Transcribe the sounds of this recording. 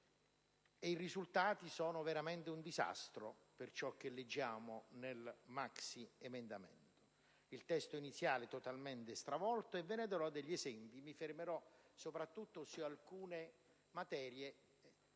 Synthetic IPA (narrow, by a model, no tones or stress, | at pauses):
eirizult̪aːt̪isɔːnʊveɾamɛnt̪ɪund̪iza̰st̪ɾopert͡ʃɔk̟ːelːed͡ʒːaːmonelmaksiemend̪amɛ̰nt̪o̥ | ilt̪ɛst̪oinit̪sːjaːlɪt̪ot̪alment̪ɪst̪ɾavɔlt̪oevːened̪eɾɔd̪ːeʎːezɛmpimifermeɾɔsopɾat̪ːut̪ːosualkuːne | mat̪ɛːɾje